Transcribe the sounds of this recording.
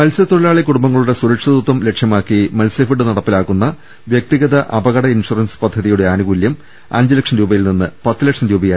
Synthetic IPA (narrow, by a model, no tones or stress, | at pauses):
mɐlsɐt̪oɽɐlaːɭekuɽumbɐŋːɐɭuɽe̞suɾɐkʂɐðut̪ːɐmle̞kʂjɐmaːkːimɐlsɐfiɽɨnɐɽɐpːilaːkːunːɐ | ʋjek̚t̪iɣɐðɐʔɐbɐɣɐɽɐinʂurɐnspɐd̪ʱːɐðijuɽe̞aːnuɣuːljɐm | ɐ̰ɲd͡ʑilɐkʂɐnɾuːbɐjilninːɨpɐt̪ːilɐkʂɐnɾuːbɐjaː